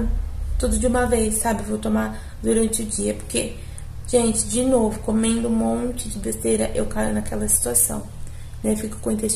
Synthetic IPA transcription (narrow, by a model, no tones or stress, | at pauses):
t̪od̪ʊd͡ʒɪũmɐvejsːabɪvowt̪omaɾ | d̪uɾɐ̃nt͡ʃɪʊd͡ʒiɐpoɾke | ʒ̥ẽnt͡ʃɪ̥d͡ʒɪnovʊkomẽnd̪ʊ̃mõt͡ʃɪd͡ʒɪbest̪ejɾɐʔewkaɾʊnɐkɛlɐsi̥t̪uasɐ̰̃w̃ | nɛfikʊ̥kõĩt̪e